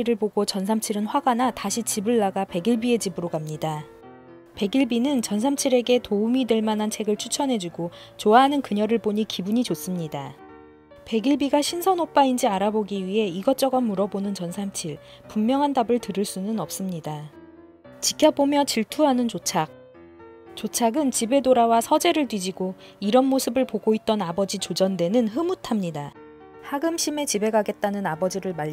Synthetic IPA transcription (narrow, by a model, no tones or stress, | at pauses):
iɾɯɭboɡot͡ɕʌnsʰamt͡ɕʰiɾɯnɸwaɡanataɕʰit͡ɕibɯɭːaɡape̞ɡiɭbie̞d͡ʑibɯɾoɡamɲida | pe̞ɡiɭbinɯnt͡ɕʌnsʰamt͡ɕʰiɾe̞ɡe̞toumidweɭmanɦant͡ɕʰe̞ɡɯɭt͡ɕʰut͡ɕʰʌnɦe̞d͡ʑuɡo | t͡ɕoaɦanɯnkɯɲʌɾɯɭboɲikibuɲit͡ɕos͈ɯmɲida | pe̞ɡiɭbiɡaɕʰinsʰʌnop͈aind͡ʑiaɾaboɡiɥiɦe̞iɡʌt͡ɕ͈ʌɡʌnːuɾʌbonɯnt͡ɕʌnsʰamt͡ɕʰiɭ | pummjʌŋɦandabɯɭtɯɾɯɭs͈unɯnʌp̚s͈ɯmɲida | t͡ɕik͈jʌp͈omjʌt͡ɕiɭtʰuɦanɯnt͡ɕot͡ɕʰak̚ | t͡ɕot͡ɕʰaɡɯnt͡ɕibe̞doɾawasʰʌd͡ʑe̞ɾɯɭtwid͡ʑiɡo | iɾʌnmosʰɯbɯɭpoɡoit̚t͈ʌnabʌd͡ʑit͡ɕod͡ʑʌndwe̞nɯnɦɯmutʰamɲida | haɡɯmɕʰime̞t͡ɕibe̞ɡaɡe̞t̚t͈anɯnabʌd͡ʑiɾɯɭma